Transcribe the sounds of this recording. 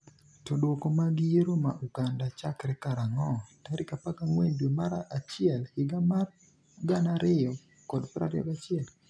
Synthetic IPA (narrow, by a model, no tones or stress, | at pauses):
todokomaɡɪjeɾoma̰ʔuɡandat͡ʃakɾɛkaɾaŋɔtaɾɪkapakaŋwendwomaɾaʔat͡ʃɪɛlhɪɡamar | ɡanaɾɪɔ | kɔdpɾa̰ɾjɔ̰ɡat͡ʃɪɛl